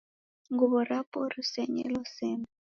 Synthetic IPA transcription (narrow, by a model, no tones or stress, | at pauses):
ŋɡuβɔɾapɔɾusɛɲɛ̰lɔsɛmɛ